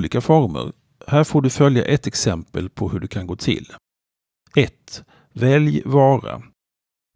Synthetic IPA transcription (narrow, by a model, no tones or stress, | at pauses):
liːkafɔɾmə̰ɾ | hæːɾfoːɖɵfœlja̰ʔɛt̪ɛksɛmpəlpʰɔhɵɖɵkʰanɡoːt̪ʰɪ̰l | ɛt̪ | vɛljvɑːɾa̰